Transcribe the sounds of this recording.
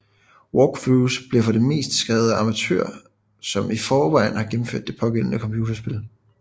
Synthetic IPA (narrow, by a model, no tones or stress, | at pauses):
wɒɡ̥fusb̥liɐfɒ̽ɾe̝me̝̰ːsd̥sɡ̥ʁɛːʊð̞̩ˠɑ̈mæt͡sʰø̰ɐ̰ | sɒ̽mifɒːʋɑ̈ɪn̩hɑ̈ɡ̥em̩føɐd̥e̝pʰɒ̽ɡ̥en̰nəkʰɒ̽mpʰjuːt͡sɐsb̥e̝l